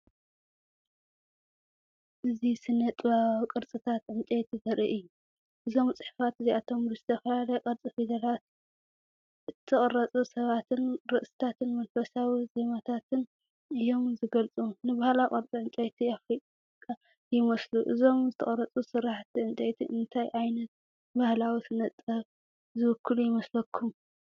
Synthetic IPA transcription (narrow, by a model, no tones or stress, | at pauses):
ʔɨzisɨnːɐt̪ʼβakʼɨɾt͡sʼɨt̪ʰat̪ʕɨnt͡sʼejt̪ʰizɐɾḭʔɨjːu | ʔɨzo̞mt͡sʼɨħfat̪ɨziat̪ʰo̞mɨzɨt̪ʰɐfɐlalɐkʼɐɾt͡sʼifed̪ɐɾat̪ | ʔɨt̪ʰːɨχʼɨɾɐt͡sʼusɐβat̪ʰɨnɾɨʔsɨ̥t̪ʰat̪ʰɨnmɐnfɐsawizemat̪ʰat̪ʰɨn | ɨjo̞mzɨɡɐlt͡sʼunɨβahlaqʼɐɾt͡sʼiʕɨnt͡sʼejt̪ʰiafɾikʼa | kʼːa | jɪmɐsluʔɨzo̞mzɨt̪ʰɐχʼɐɾɐt͡sʼusɨɾaħt̪iʕɨnt̪ʼejt̪ʰḭʔɨnt̪ʰajʔajnɐt̪̚ | bahlawisɨnɐt͡s̪ʼːɐβ | zɨβɨkʰːɨlujɪmɐslɐkʰːum